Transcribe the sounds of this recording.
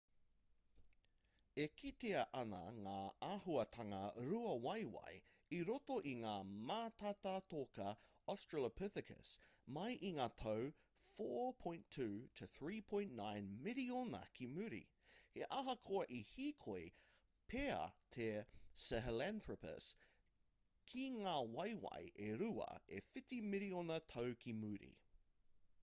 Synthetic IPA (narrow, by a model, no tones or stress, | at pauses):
ekʰit̪eɐʔɐnɐ̰ŋaːaɦuɐt̪ʰɐŋɐɾuɐwɐjwɐ̰j | iɾot̪oʔiŋaːmaːt̪ɐt̪at̪okɐ | ɔstɹələpʰɪθɪkʰə̰smɐjʔiŋaːt̪ʰɐw | foːpʰõj̃ntʰʉːtʰəθɹiːpʰõj̃nʔnãjnmɪlionɐ̰kʰimʉɾḭ | heʔɐɦɐkʰoɐʔihiːkʰoj | pʰeɐ̰t̪ʰesɛɦɛlænθɹəpə̰s | kʰiŋaːwɐjwɐ̰jʔeɾʉɐ̰efɪtimɪlionɐtʰowkʰimʉːɾḭ